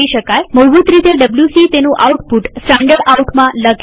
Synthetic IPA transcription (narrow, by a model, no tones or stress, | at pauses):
iʃəkajməwbut̪ɾit̪eɖəbljusit̪enũʔawʈpuʈsʈãɳɖəɽauʈmãlək